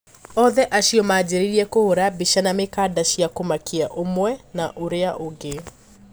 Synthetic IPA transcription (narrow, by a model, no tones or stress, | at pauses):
ɔðɛʔaʃiɔmad͡ʒeɾiɾiɛkohoɾabiʃanamekaːdaʃijakomakʰiaʔomwɛnaʔoɾeaʔoɡe